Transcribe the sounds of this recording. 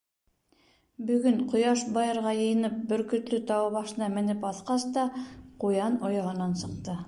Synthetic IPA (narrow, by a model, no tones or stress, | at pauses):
bɵ̆ɡɵɴqŏjɑʃbɑjɤ̆ɾʁɑjɤ̆jɤ̆nɤp̚bɵ̆ɾkɵ̆t̪lɵt̪ɑwβɑʃɤ̆nɑmɘ̆nɘpɑθqɑst̪ɑqujɑnojɑɦɤ̆nɑnsɤ̆q̚t̪ɤ